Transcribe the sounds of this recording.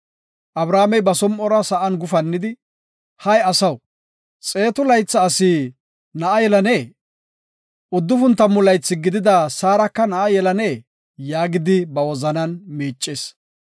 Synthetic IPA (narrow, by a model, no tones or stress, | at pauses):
ʔɐbɾaːmɛjbɐsɔmʔɔɾɐsɐʔɐnɡʊfɐnːɪd̪ɪ | hɐjɐsɐw | t͡sʼe̞ːt̪ʊlɐjt͡sːɐːsɪː | nɐʔɐjɛlɐneː | ʔʊd̪ːʊfʊnt̪ːɐmːʊlɐjt͡sːɪɡɪd̪ɪd̪ɐsaːɾɐkːɐnɐʔɐjɛlɐneː | jaːɡɪd̪ɪbɐwɔzɐnɐnmeːt͡ʃʼːeːs